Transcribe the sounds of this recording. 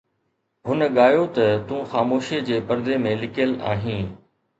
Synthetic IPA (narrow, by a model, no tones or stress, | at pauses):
ɦʊnəɠaːjot̪ɐt̪ũːxaːmoːʃed͡ʑeːpɐɾd̪emẽlɪkjəla̰ːɦĩː